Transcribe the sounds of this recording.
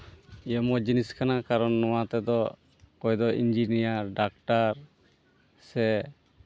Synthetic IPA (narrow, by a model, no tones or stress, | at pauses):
iəmɔd͡ʒiniskanakaɾɔnːɔwat̪ɛd̪ɔ | kɔjd̪ɔʔind͡ʒinijaɾɖak̚ʈaɾ | sɛ